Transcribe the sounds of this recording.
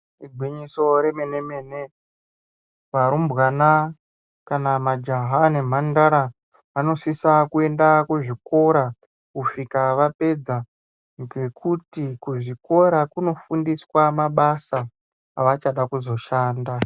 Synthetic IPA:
iɡʱwiɲiso̞ɾe̞me̞ne̞me̞ne | ʋaɾumbɣana | kanamad͡ʒaɦane̞m̤andaɾa | ano̞sisakue̞ndakuʐiko̞ɾa | kuʂikaʋape̞d͡za | ŋɡe̞kʰutikuʐiko̞ɾakuno̞fundiswamaɓasaː | ʋat͡ʃaɗakuzo̞ʃaːnda

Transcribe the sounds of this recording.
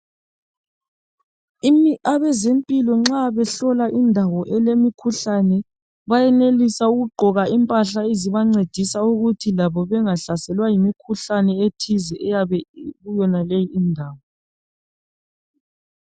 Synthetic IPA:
imiʔaβɛzempʼilɔŋ͡ǁaβɛɬɔlaʔindʱawɔʔɛlemikʰuɬanɛ | βajɛnelisauɣuɡ͡ǃʱɔɣaimpʼaɬaeziβaŋ͡ǀed̥ʱisauɣutʰilaβɔβɛŋaɬasɛlwajimikʰuɬanɛetʰizɛʔɛjaβɛɣujɔnalejiindʱaːwɔ

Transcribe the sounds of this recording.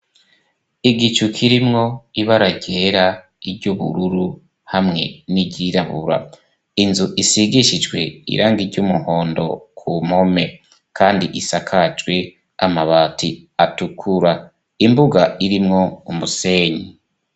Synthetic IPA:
iɡit͡ʃukʰiɾimŋo̞iβaɾaɟe̞ːɾa | iɾɟuβṵɾuɾu | hamŋe̞̰niɟiɾaβṵɾa̰ | inzuʔisiɡiʃid͡ʒɡwe̞ḭɾaːŋɡiɾɟumuho̞ːndo̞̰kʰumho̞me̞ | kʰaːndiʔisakʰad͡ʒɡwe̞ | amaβatʰiatukʰuɾa | imbuɡaiɾimŋo̞umuse̞ːɲi

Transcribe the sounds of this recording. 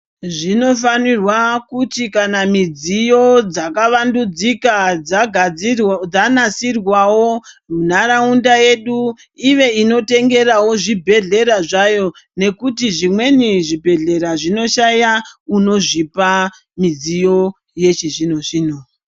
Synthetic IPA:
ʐino̞fanirwakutikanamid͡zijo̞d͡zakaʋandud͡zikad͡zaɡʱ | d͡zanasirwawo̞unaɾaundaje̞ɗu | iʋe̞ino̞te̞ŋɡe̞rawo̞ʐibʱe̞ɮe̞ɾaʐajo̞ | ne̞kutiʐimwe̞niʐibʱe̞ɮe̞ɾaʐino̞ʃajauno̞ʐipa | mid͡zijo̞ | je̞t͡ʃiʐino̞t͡ʃiːno

